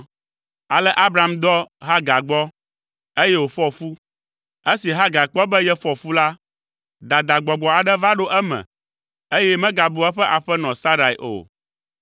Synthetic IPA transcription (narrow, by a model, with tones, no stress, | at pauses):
a˨lɛ˦ʔa˦bɾa˨md̪ɔ˦ɦa˦ɡa˨ɡ͡bɔ˦ | e˦jɛ˦wo˨fɔ˦fu˦ | e˦si˨ɦa˦ɡa˨k͡pɔ˦bɛ˦jɛ˦fɔ˦fu˦la˦ | d̪a˨d̪a˨ɡ͡bɔ˨ɡ͡bɔ˨a˨ɖɛ˦va˦ɖo˦ʔɛ˦mɛ̰̃˨ | e˦jɛ˦mɛ̃˦ɡa˨bu˨ɛ˦ɸɛ˦ʔa˨ɸɛ˦nɔ̃˨sa˦ɾa˨i˨ʔo̰˨